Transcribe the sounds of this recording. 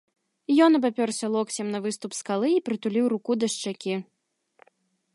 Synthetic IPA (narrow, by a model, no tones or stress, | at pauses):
jɔnɐbapʲɔrsʲɐlˠɔksʲɛmnɐvɨst̪upskalˠɨipɾɨt̪ulʲiwɾukud̪ɐʂt͡ʂakʲi